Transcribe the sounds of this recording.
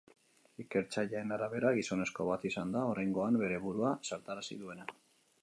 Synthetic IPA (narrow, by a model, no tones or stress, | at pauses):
ike̞ɾt͡saʎaenaɾaβe̞ɾaɣiso̞ne̞sko̞βat̪isand̪ao̞ɾajŋɡo̞ambe̞ɾe̞βuɾuasaɾt̪aɾasḭðue̞na